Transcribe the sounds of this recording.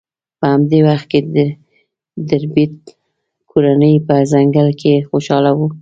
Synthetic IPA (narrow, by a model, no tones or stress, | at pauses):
pəhamd̪ewaxt̪̚ked̪ə | d̪aɾbit̪̚ | kʰoɾanəjpəzaŋɡalkʰexoʃɑlawu